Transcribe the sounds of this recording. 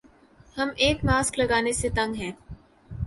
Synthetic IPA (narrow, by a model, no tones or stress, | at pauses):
hɐmeːkmaːsklɐɡaːneset̪ɐ̃ŋɡɦɛ̃ː